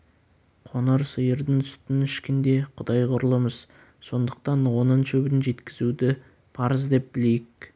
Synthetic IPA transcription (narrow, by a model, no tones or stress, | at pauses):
qʰo̞nəɾsəjəɾd̪ənʰst̪ɪnɪʃkʲɪnd̪e̞qʰʊd̪ɑjqʰʊɾəlˠəməz̥ | so̞nd̪əq̚t̪ɑnwo̞nənʃɵbɪnʒe̞t̪kʲɪzud̪ɪ | pʰɑɾəzd̪e̞p̚bɪle̞jɪk̚